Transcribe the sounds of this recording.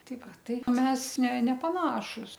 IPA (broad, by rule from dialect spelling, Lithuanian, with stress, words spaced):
ˈtɐɪ ˈʋɐ ˈtɐɪ ˈmʲɛs nʲɛ nʲɛpɐˈnɑːʃʊs